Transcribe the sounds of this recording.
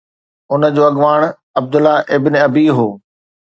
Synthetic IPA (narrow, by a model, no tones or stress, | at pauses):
ʊnə̆d͡ʑoːɐɡʋaːɽ̃ | ɐb̚d̪ʊlaʔɪbɪnɪɐbiɦoː